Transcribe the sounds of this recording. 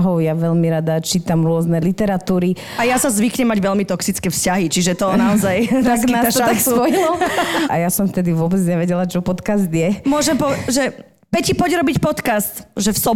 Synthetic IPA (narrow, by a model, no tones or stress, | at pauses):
ɦɔʊjaʋɛʎmiɾad̪at͡ʃiːt̪amɾʊɔznɛlit̪ɛɾat̪uːɾi | ajasazʋikɲɛmaɟʋɛlmit̪ɔksit͡skɛfscaɦit͡ʃiʒɛt̪ɔnaɔzajt̪aknaat̪akspɔjilɔajasɔmft̪ɛd̪iʋʊɔbɛd͡zɲɛʋɛɟɛlat͡ʃɔpɔt̪kazd̪jɛmʊɔʒɛmpɔʒɛ | pɛcipɔɟɾɔbicpɔt̪kast̪ʒɛfsɔ